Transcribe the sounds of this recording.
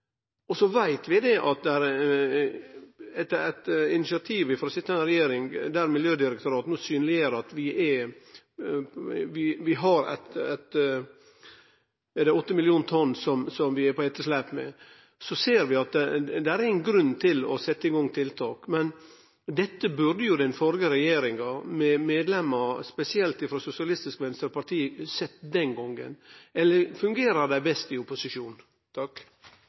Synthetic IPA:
ɔsɔʋæɪt̪ʋɪd̪ɛʔɑt̪̚d̪ɛæɾ | ɛt̪ːəɾæɪt̪ɪnɪsɪɑt̪ʰiːʋɪfɔɾɔsɪt̪ːəæɪnɾɛjeːɾɪŋd̪æɾmɪljøːd̪ɪɾɛkt̪ʊɾɑːt̪nuːsyːnlɪeːɾəɑt̪ʋɪʔɛ | ʋɪʋɪɦɑɾæ̰t̪æt̪ | ɛd̪ɛɔt̪ːəmɪljuːnt̪ʰɔnːsɔmsɔmʋɪɛɾpɔɛːt̪ːəslæpmɛ̰ | sɔseːɾʋɪɑt̪d̪ɛæɾɪnɡɾʉnːt̪ʰɪlɔsɛt̪ːəɪɡɔŋt̪ʰɪlt̪ʰɑːkmɛn | d̪ɛt̪ːəbʉɾd̪əjʊd̪ɛnfɔɾɡəɾɛjeːɾɪŋɑmɛmeːd̪lɛmːəspɛsɪɛlt̪ɪfɾoːsʊsɪɑlɪst̪ɪskʋɛnst̪ɾəɾpɑɾt̪ʰiːsɛt̪ːd̪ɛnɡɔŋɡə̰nɛlːəɾfʉŋɡeːɾəɾd̪æɪbɛst̪ɪʊpʊsɪʂuːn | t̪ʰɑk

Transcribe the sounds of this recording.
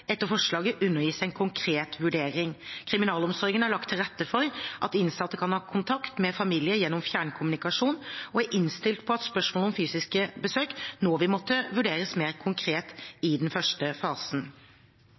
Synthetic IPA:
ɛt̪ːəɾfɔʂɭɑːɡəʔʉnːəɾjiːsæɪnkʰʊŋkʰɾeːt̪ʋʉɖeːɾɪŋkʰɾɪmɪnɑːlɔmsɔɾɡənhæɭɑkt̪ʰːɪlɾɛt̪ːəfɔɾʔɑt̪ɪnsɑt̪ːəkʰɑnhɑːkʰʊnt̪ʰɑkt̪mɛfɑmiːlɪəjɛnːɔmfjæːɳkʰʊmʉnɪkɑʂuːnɔæʔɪnst̪ɪlt̪pʰɔɑt̪spœʂmoːləɔmfyːsɪskəbəsøːknɔʋɪmɔt̪ːəʋʉɖeːɾəsmeːɾkʰʊŋkʰɾeːt̪ɪd̪ɛnfœʂʈəfɑːsn̩

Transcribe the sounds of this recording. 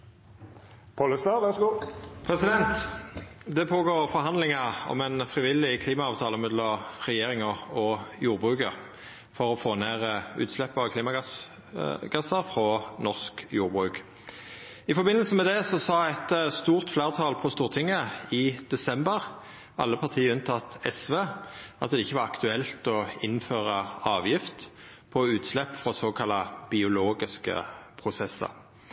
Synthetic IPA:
pʰɔləst̪ɑʋɛsɡuːpʰʁɛsɪd̪ɛnt̪ | d̪ɛpʰoːɡoːʁfɔʁɦɑnd̪lɪŋəʁɔ̰mɛnfʁɪʋɪlːɪkʰliːmɑɑːʋt̪ʰɑːləmɛd̪lɔʁɛjeːʁɪŋəʁɔjuːʁbʁʉːkəʁ | fɔʁɔfoːneːʁəʉ̰ːt̪slɛpːəɑkʰliːmɑɡɑs | ɡ̥ɑsəʁfʁɔnɔʁskjṵːʁbʁʉːk | ɪfɔʁbɪnəlsəmɛd̪ɛsɔsɑːɛt̪st̪uːʁt̪fleːʁt̪ʰɑːlpʰɔst̪uːʁt̪ʰɪŋːəɪd̪̥ɛsɛmbəʁ | ɑlːəpʰɑʁt̪ʰiːəʉnt̪ʰɑt̪ɛsʋeːʔɑ̰t̪̚d̪ɛɪçːəʋɑʁɑkt̪ʉɛlt̪ɔɪnføːʁəɑːʋjɪft̪ | pʰɔʉːt̪slɛpːfʁɔsoːkʰɑlːɑb̥ɪʊloːɡɪskə̰pʰʁʊsɛsːə̰ʁ

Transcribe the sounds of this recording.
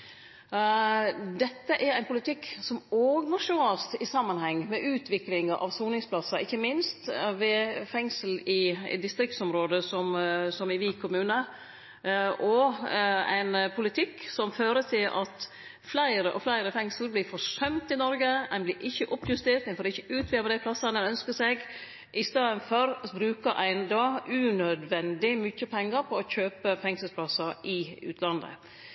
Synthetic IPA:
d̪ɛt̪ːəʔæɾæɪnpʰʊlɪt̪ʰɪkːsɔmoːɡəmɔʂʊɑlst̪ɪsɑmːɑnhɛŋːmɛʔʉːt̪ʰʋɪklɪŋɑʔɑ̰ʋsuːnɪŋspʰlɑsɑɪçːəmɪnst̪ʋɛfɛŋsəl̩ɪ̰d̪ɪst̪ɾɪk̚t̪sɔmɾoːd̪əsɔmsɔmɪʋɪkʰʊmʉːnə | ʔɔ | æ̰ɪnpʰʊlɪt̪ʰɪkːsɔmføːɾət̪ʰɪlʔɑt̪ | flæɪɾəʔɔ̰flæɪɾəfɛŋsəl̩blɪɾfɔʂœmt̪ɪnɔɾɡəæ̰nblɪɾʔɪçːəʔɔpjʉst̪eːt̪æɪnfɔɾɪçəʉːt̪ʰʋɪɾʋəd̪æɪpʰlɑsːɑnɛnœnskəseɡ | ʔɪst̪eːd̪ənfɔɾbɾʉːkəɾʔæ̰ɪnd̪ɔʉnœd̪ʋɛnd̪ɪmʏçəpʰɛŋːəɾpʰɔɔçøːpəfɛŋsəlspʰlɑsɑɾɪʉ̰ːt̪ʰlɑnd̪ə̰

